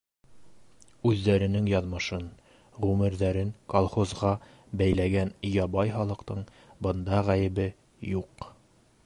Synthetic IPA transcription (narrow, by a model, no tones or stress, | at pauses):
ʉðːæɾɘ̆nɘŋjɒðmɤ̆ʃɤn | ʁʉmɘ̆ɾðæɾɘŋkolˠχozʁɑ | bæjlæɡænjɒbɑjχɒlˠɤ̆qt̪ɤɴ | bɤ̆nd̪ɑʁæjɘ̆bɘ | juq